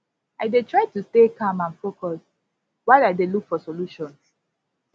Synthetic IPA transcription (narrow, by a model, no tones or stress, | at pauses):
aɪdetʰɹaɪtustekʰãmãnfokɔs | waɪaɪdelukfɔsoluʃɔ̃ns